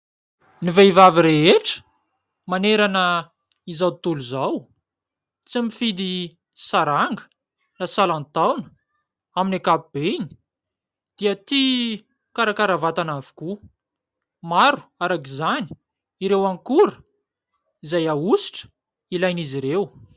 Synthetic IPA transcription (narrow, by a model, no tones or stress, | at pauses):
niveivaviɾeɦeʈ͡ʂə̥ | maneɾanə | izawt̪uluzaw | t͡simifid̪i | saɾaŋɡə̥ | nasalant̪awnə̥ | aminakapib̥eni̥ | d̪̥iat̪i | kaɾakaɾavat̪anavi̥ku | maɾu̥aɾakizani | iɾewaŋkuɾə | izajausi̥ʈ͡ʂə̥ | ilajniziɾew